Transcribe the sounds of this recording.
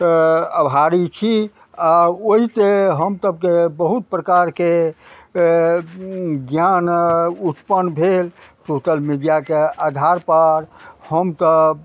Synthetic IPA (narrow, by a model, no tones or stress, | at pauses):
əbʱaɾit͡ʃʰi | aoɦit̪eɦəmsəb̚kebəɦut̪̚pɾəkaɾke | ɡjanut̪pənbʱel | sosəlmidijakead̪ʱaɾpəɾhəmt̪ə